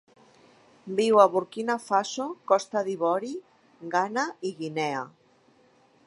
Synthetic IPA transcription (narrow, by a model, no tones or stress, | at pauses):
biwaβuɾkinafasokɔst̪aðiβɔɾi | ɡanaiɣinɛa